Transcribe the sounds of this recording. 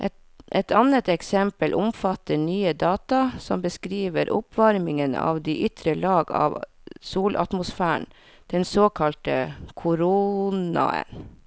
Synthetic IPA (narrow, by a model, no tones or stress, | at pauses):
ʔɛt̪ | ʔɛt̪ʰɑnət̪ɛksɛmpəlʔʊmfɑt̪ːəɳyːəd̪ɑːt̪ɑsɔmbəskɾiːʋəɾʔʊpʋɑɾmɪŋənɑ̰ːʋd̪iːʔʏt̪ɾəlɑːɡɑ̰ʋsuːlʔɑ̰t̪mʊsfæːɳ | d̪̥ɛnsoːkʰɑlt̪əkʰʊɾuːnɑ̰ə̰n